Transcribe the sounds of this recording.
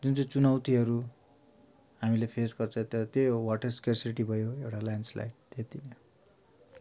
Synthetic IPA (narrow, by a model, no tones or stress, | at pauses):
d͡zunt͡sʌjt͡sunawt̪iɦʌɾu | ɦamilepʰesɡʌrt͡sʰʌ̃t̪ʌt̪ewaʈʌskersiiʈibʱʌjoewʈalajnsla̰jʈ̚t̪et̪inʌ